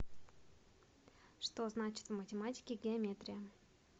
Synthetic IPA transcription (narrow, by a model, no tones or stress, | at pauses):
ʂt̪o̞znat͡ɕɪ̥t̪vmətʲɪmatʲɪ̥kʲɪɡʲɪɐmʲet̪ɾʲɪjə